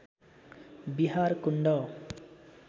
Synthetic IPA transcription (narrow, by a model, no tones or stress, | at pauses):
biɦaɾkuɳɖʌ